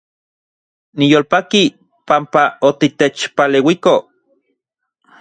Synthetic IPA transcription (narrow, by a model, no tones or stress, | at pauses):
nijoːlpaki | pampaot̪it̪et͡ʃpalewiko